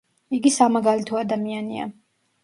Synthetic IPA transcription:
iɡisamaɡalit̪ʰɔad̪amiania̰

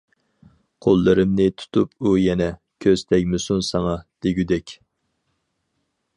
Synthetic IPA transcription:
qʰolˠːɨɾɨmnɨt̪ʰu̥t̪ʰupʰujɛnɛ | kʲʰøz̥t̪ʰɛkʲmɪsunsɑŋɑd̪̥eɡʲyd̪ɛkʲ

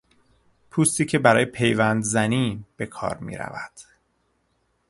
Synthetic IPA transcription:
pʰuːst̪iːcʰe̞bæɾɒːjepʰe̞jvænd̪zæniːb̥e̞kʰɒ̰ːɾmḭːɾæ̰væd̪̥

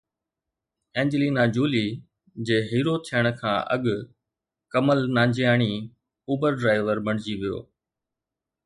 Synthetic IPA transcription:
ɛ̃ːɲd͡ʑliːnaːd͡ʑuːliː | d͡ʑeːɦiːɾot̪ʰijəɽ̃kʰã̰ːʔɐ̰ɠ | kəməlnãːɲd͡ʑijaːɽ̃i | uːbəɾɖɾaːɪʋəɾbɐɽ̤̃ɪd͡ʑiʋijo̰ː

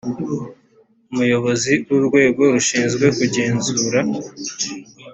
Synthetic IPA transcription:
umujo̞βo̞ziwuɾɡwe̞ːɡo̞ɾuʃiːnzɡwe̞kuɟe̞ːnzuːɾa

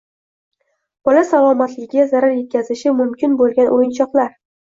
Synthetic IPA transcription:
b̥ɒlasalˠɒmat̪lɪɡʲɪɡʲazaɾaɾje̞t̪̚kʲʰazɪʃɪmʊmkʲɪnbolˠɡʲanʔojɪnt͡ʃʰɒqlaɾ

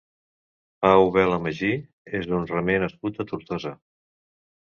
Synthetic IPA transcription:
pauβɛləməʒi | ezðunrəmenəskut̪ət̪uɾt̪ɔzə

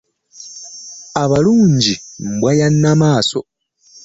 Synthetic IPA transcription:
aβaluːɲɟim̩bwajanːamaːso

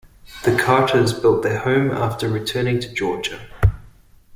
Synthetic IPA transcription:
ðəkʰɑˑtəzbɪlˠʔ̪̚ðəhə̃ʊ̃mɑ̰ˑftəɹɪtʰɜːnɪ̃ŋtʰəd͡ʒɔːd͡ʒə

